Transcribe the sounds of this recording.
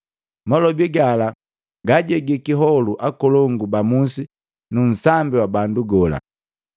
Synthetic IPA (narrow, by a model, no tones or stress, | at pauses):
mɔlɔbiɡala | ɡaɟɛɡikiɦɔluʔakɔlɔŋɡubamusi | nun̩sambiwabanduɡɔla̰